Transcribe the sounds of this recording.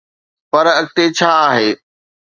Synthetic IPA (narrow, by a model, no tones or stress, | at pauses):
pɐɾɐk̚ʈ̪et͡ɕʰaːɦeː